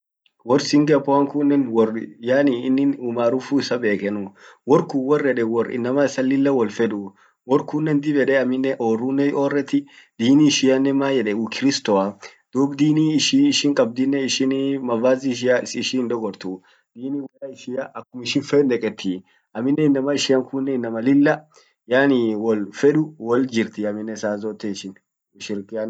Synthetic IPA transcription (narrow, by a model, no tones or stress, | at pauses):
wɔɾsɪŋɡɐpːɔɐŋkʊnːɛnwɔrjaːniɪnːɪnuːmaːɾʊfuɪsɐbeːkɛnʊwɔɾkuwɔrːɛᶑɛwɔrɪ̰nːɐmaɪsɐlːɪlːɐwɔlfɛd̪u | wɔɾkʊnːɛnd̪ɪbɛᶑɛɐmɪnːɛʔoːrːunːɛoːrɛt̪ːɪd̪̥iːniʃɪjɐnːɛmaːjɛᶑɛukʰɪɾɪst̪ɔad̪̥uːbd̪iːniːɪʃiːɪʃɪŋkʼɐb̚d̪ɪnːɛɪʃɪnmɐvaːziʃ̬ɪaɪsːʃɪnd̪ɔɡɔɾt̪u | d̪̥iːniːwɔrɐɪʃɪjaʔɐkːʊmɪʃɪnfɛnd̪ɛkʼɛt̪ːi | ʔɐmɪnːɛɪnːɐmɐɪʃɪjɐŋkʊnːɛɪnːɐmɐlɪlːɐ | jaːniwɔlfɛᶑʊwɔld͡ʒɪɾt̪ɪɐmːɪnːɛsaːzɔːt̪ːɛɪʃɪn | ʃɪɾkɪan